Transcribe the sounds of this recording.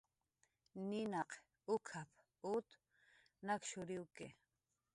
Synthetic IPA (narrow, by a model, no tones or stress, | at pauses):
ninaq | ʊkʰapʰ | ʊt̪ | nakʃʊɾiwke